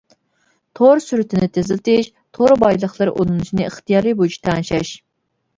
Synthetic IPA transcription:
t̪ʰoɾsyɾyt̪ʰɪnɪt̪ʰezɪlt̪ʰɪʃ | t̪ʰoɾbɑjlˠəχlˠɨɾʔonɨnut͡ʃʰinɨəχt̪ijɑːɾɨbut͡ʃʰi̥t̪ʰɑnʃɑʃ

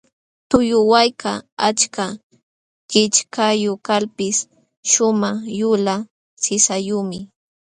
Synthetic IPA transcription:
t̪ʊjʊwajkaat͡ʃka | kɪt͡ʃkajʊkalpɪs | ʃʊmaχjʊla | sɪsajʊmɪ

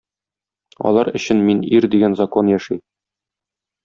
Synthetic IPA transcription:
ɒ̰lˠɑɾɘ̆ɕɘnminiɾd̪iɡænzɐko̞njæʃi

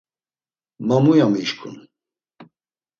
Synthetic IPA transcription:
mamujamiʃkʰʼṵn

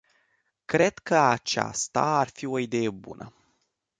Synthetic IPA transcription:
kɾe̞d̪̥kəat͡ʃa̰st̪a̰arfio̞id̪e̞je̞bṵnə̰

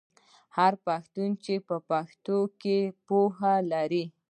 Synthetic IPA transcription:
haɾpaxt̪unt͡ʃepəpaxt̪okepohalaɾi

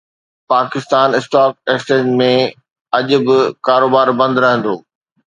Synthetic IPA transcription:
paːkɪst̪aːnɪsʈaːk̚eːkst͡ɕẽːd͡ʑmẽ | ɐʄʊ̆bɪkaːɾoːbaːɾbɐ̃nd̪ɾɐɦə̃nd̪oː

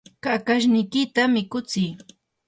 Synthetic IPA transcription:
kakaʃ̬nɪjkɪt̪amɪkʊt͡sɪj

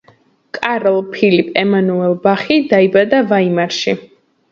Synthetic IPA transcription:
kʼaɾlˠpʰilipʼɛmanuɛlˠbaχid̪aibad̪avaimaɾʃi

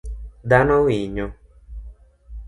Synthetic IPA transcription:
d̪anɔ̃wiɲõ

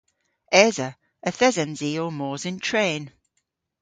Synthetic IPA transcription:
ɛzə | əθɛzə̃nziːəmɔːzɪ̃ntʰɹ̥ẽːn

